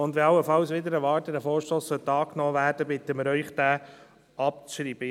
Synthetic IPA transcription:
ʊnd̪ʋɪlɑlːəfɑlsʋɪd̪əɾɛʋɑɾtədɛfoːɾʃtoːsːœt̪ːɑːknɔːʋæːɾd̥əbɪt̪əmɪɾœʏχd̥̪æː | ɑp̚t͡sʃɾiːb̥ə

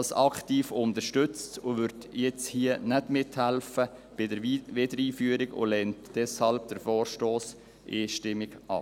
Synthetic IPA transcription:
lsɑktiːfʊntəʃtʏt͡stʊʋʏɾtjɛt͡shiənɛdmɪthælfəb̥ɪdəɾʋɪdəɾiːfyəɾɪɡʊ̰lɛntd̥ɛshɑlb̥̚d̥əɾfɔːɾʃtoːs | ʔiːʃtɪmɪɡɑ̰

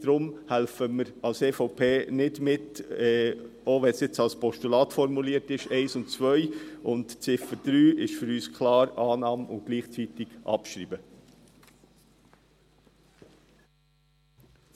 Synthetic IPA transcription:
d̪̥ɾʊmhælfəməɾɑlseːfoʊpʰeːnɪdmɪtɛ | oʋɛnsjɛt͡sɑlspɔʃtulɑːt̪fɔɾmuliːtɪʃɛɪsʊntt͡sʋœʏʔʊntt͡sɪfəd̥ɾyːʔɪʃfʏɾyːskʰlɑːɾɑːnɑːmʊntɡ̥liːχt͡sit̪ɪɡ̥ʔɑ̰pʃɾiːbə

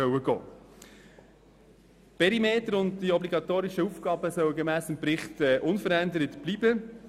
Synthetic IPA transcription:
œwəɡ̥ɔ̰ː | pɛɾimeːtəɾʊndd̥iɔbliɡɑt̪oːɾiʃəufɡ̥ɑːbəsœwɡemæːsɪmpɾɪχtɛːʔʊnfəɾændəɾətb̥liːbə

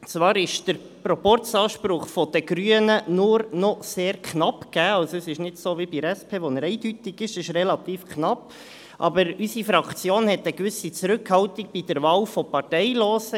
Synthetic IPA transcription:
t͡svɑːɾɪʃd̥əɾ | prɔpɔɾt͡sɑːʃpɾʊχfɔd̪əɡ̥ɾyənənʊɾnɔseːɾkʰχnɑpkæːɑwsoɛsɪʃnɪdsoːvibiɾɛspʰeːʋɔnəɾɛɪdytɪɡɪʃɪʃrɛlɑt̪iːfkχnɑp | ʔɑ̰bəɾysifɾɑkt͡sjoːnhɛt̪əkʋʏsit͡sɾʉkhɑltik̚b̥id̥əɾʋɑːwfɔpɑɾtɛɪloːsə

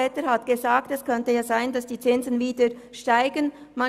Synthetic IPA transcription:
ɛːtəɾhatɡ̥əzaːk̚tɛskʰœntəjaːzaɪndasd̥iːt͡sɪnzənviːdə | ʃtaɪɡən | ma

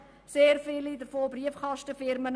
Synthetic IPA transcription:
seːrfilidərfoːbriəfχɑʃtəfɪrmən

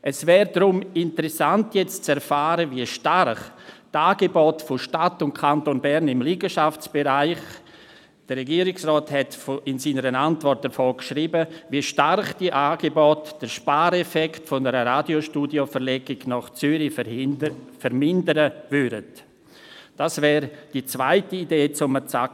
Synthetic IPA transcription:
ʔɛsvɛːɾdɾʊmɪntəɾɛsantjɛt͡st͡sɛɾfaːɾəviəʃtarχtaːɡebɔtfoʃtatʊntkʰantonbɛɾnɪmliːɡəʃaft͡sb̥eɾaɪχ | d̥ərrɛɡiːɾɪksrɔːthɛtfoɪnsiːnəɾənantvɔrt̚d̥əɾfoːkʃɾiːbəviəʃtarχd̥iəʔaːɡ̥ebɔtd̥əɾʃpaːɾɛfɛktfonəɾəɾaːdioʃtuːdiofəɾlɛɡɪɡnɔχt͡sʏɾi | fəɾmɪndəɾəvʏɾət | d̥asvɛːɾd̥it͡svaɪtiideːt͡sʊmət͡sa

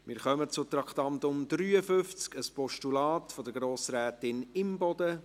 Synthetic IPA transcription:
mɪːɾχœmət͡sʊt̪ɾɑkʰt̪ɑnt̪ʊmd̪ryːəfʏft͡skəspɔʃtulɑːtfɔdəɡɾoːsɾæːtɪnɪmbɔd̥̪ə

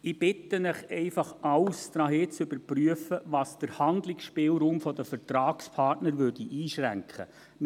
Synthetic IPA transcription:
ɪb̥ɪt̪ənəχɛɪfɑχɑwst̪ɾɑːɦeːt͡sʏbəɾpryəfəʋɑːsd̥əɾhɑnd̪lɪksʃpɪːlɾuːmfɔd̪əfəɾt̪ɾɑːkspʰɑrtnəɾʋøɾdiʔiːʃɾæŋkχə̰

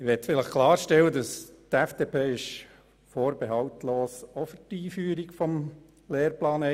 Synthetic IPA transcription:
ɪʋɛtfɪləχkʰlɑːɾʃtɛwːədɑstæfd̥eːpʰeːɪʃ | foːɾb̥eɦɑwt̪loːsɔfytiːfyːɾikfɔm | leːɾplɑːnɛ

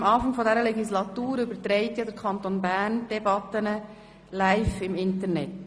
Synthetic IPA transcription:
mɑːfɑŋfɔdɛɾəlɛɡislɑt̪uːɾʏbəɾt̪ɾɛɪtjɑd̪əɾkʰχɑnt̪onbænd̥ɛbɑt̪ənə | læɪfɪmɪntəɾnɛt

